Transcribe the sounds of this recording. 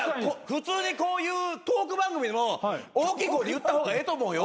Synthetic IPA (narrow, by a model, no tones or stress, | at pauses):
koɸɯ̟t͡sɨːɲ̟iko̞ːjɯːt̪oːkɯ̟bãŋɡɯ̟mʲid̪emooːkʲiːkoːd̪ʲejɯ̟t̪ːahoːɡaet̪o̞mo̞ːjo